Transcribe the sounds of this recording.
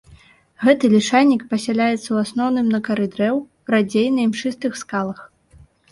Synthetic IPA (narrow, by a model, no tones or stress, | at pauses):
ɣɛt̪ɨlʲiʂalʲnʲːikpɐsʲɛlʲajɛt̪sːɐwasnɔwnɨmnɐkɐɾɨd̪ɾɛw | ɾad͡zʲejnɐimʂɨst̪ɨxskalˠɐx